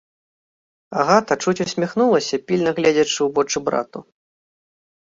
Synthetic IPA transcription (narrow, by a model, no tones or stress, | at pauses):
aɣat̪ɐt͡ʂut͡sʲusʲmʲixnulˠɐsʲɐpʲilʲnɐɣlʲɛd͡zʲɐt͡ʂɨubɔt͡ʂɨbɾa̰t̪u